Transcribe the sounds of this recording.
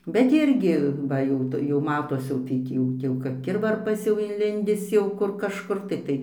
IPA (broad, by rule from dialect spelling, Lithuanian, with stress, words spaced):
bʲɛt ˈɪrʲɡʲɪ ˈbɐ jɛʊ ˈtʊ jɛʊ ˈmɑːtoːs jɛʊ tɐɪ ˈtʲiː jɛʊ ˈtʲiː jɛʊ kɐp ˈkʲɪrʋɐrpɐs jɛʊ ɪnʲˈlʲɪnʲdʲɪs ˈjɛʊ ˈkʊr kɐʃˈkʊr tɐɪ ˈtɐɪ